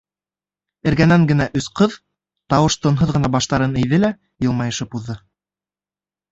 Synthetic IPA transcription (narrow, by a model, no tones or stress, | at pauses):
ɘ̆ɾɡænæŋɡɘ̆næʔɵsqɤð | t̪ɑwɤʃt̪ŏnɦɤðʁɤ̆nɑbɑʃt̪ɑɾɤnɘ̆jðɘlæ | jɤ̆lˠmɑjɤ̆ʃɤpuðːɤ